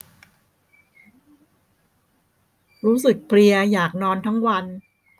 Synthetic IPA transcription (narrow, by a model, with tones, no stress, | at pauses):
ɾuː˦˥sɯ˨˩k̚pʰli˧ɐjaː˨˩k̚nɔː˧nt̪ʰa˦˥ŋwa˧n